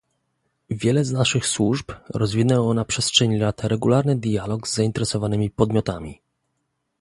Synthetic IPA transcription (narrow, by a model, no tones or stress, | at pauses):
vʲjɛlɛznaʂɘxswuʐpɾɔzvʲinɛwɔɔnapʂɛstʂɛɲilat̪aɾɛɡulaɾnɘd̪jalɔɡzːaint̪ɛɾɛsɔvanɘmʲipɔd̪mʲjɔt̪amʲḭ